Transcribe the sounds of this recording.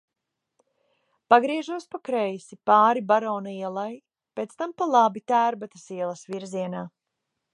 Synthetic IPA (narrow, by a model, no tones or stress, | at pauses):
paɡɾiɛʒuɔspakɾɛjsipaːɾibaɾɔːnaiɛlˠaj | peːt̪st̪ampalˠabit̪æːɾbat̪ɐsiɛlˠɐsviɾziɛnaː